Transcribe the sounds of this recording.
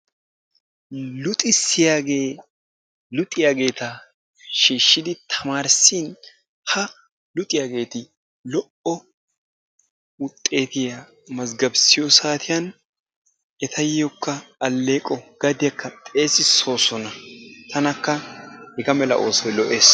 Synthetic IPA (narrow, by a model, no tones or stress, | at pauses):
lʊt̪ʼɪsːɪjaːɡeː | lʊt̪ʼɪjaːɡe̞ːt̪ɐ | ʃiːʃːɪd̪ɪt̪ʰɐmaːɾsin | hɐ | lʊt̪ʼɪjaːɡe̞ːt̪ɪ | lɔʔʔɔ | ʊt̪ʼːe̞ːt̪ɪja | mɐzɡɐbsɪjɔsaːt̪ʰɪjɐn | ɛt̪ʰɐjːɔkːɐːlːe̞ːkʼɔɡ̥ɐd̪ɪjɐkːɐt̪ʼe̞ːsɪso̞ːsɔnɐt̪ʰɐnɐkːɐhɛɡɐmɛlɐ̰ʔo̞ːsɔjlɔʔe̞ːs